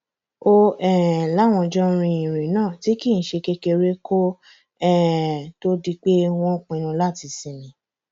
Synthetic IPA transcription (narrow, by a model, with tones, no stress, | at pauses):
o˦ɛ˦˨la˦˨w̃ɔ̃˧d͡ʒɔ˦ɾ̃ĩ˧ĩ˨ɾ̃ĩ˨nãː˦˨ti˨˦ki˦˨n̩˨ʃe˧ke˧ke˧ɾe˦ko˦ | ɛ˦to˦di˧k͡pe˦w̃ɔ̃˦k͡pĩ˧ɾ̃ũ˧la˦˨ti˧sĩ˨˧nĩ˨˦